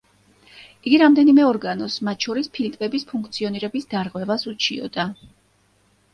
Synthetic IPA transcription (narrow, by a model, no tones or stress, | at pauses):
iɡiɾamd̪ɛnimɛɔɾɡanɔsmat̪̚ʰʃɔɾispʰilt̪ʼvɛbispʰuŋkʰt̪sʰiɔniɾɛbisd̪aɾʁwɛvasut͡ʃʰiɔ̰d̪̥a